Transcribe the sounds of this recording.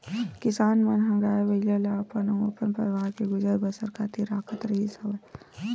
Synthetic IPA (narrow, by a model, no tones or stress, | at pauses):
kɪsaːnmɐnɦɐ̃ŋɡaːeʋɐilaleapənɐmopənpəɾɪʋaːɾkeɡʊd͡ʒəɾbəsəɾkʰaːt̪iɾaːkʰət̪ɾɐɦisɐʋɐ